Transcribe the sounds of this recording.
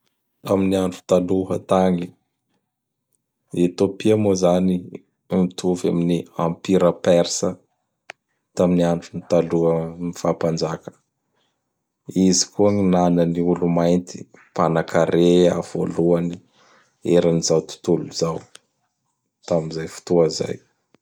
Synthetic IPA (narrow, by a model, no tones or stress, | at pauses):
t̪aminiaɳʈ͡ʂu̥t̪aluɦə̰t̪aŋi | et̪opiamozani | mit̪ʰuvaminiampiɾəpɛɾsə | t̪aminiaɳʈ͡ʂunit̪aluəmifapand͡ʒakə̥ | izi̥kuaŋinanəniulumajnt̪i̥ | panakʰaɾea̰v̥o̰luani | eɾaniz̥awt̪u̥t̪uluzaw | t̪amizajfu̥t̪uəza̰j